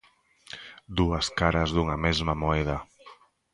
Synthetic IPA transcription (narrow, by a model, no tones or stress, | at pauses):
d̪uəskaɾazðuŋamezmamoɛða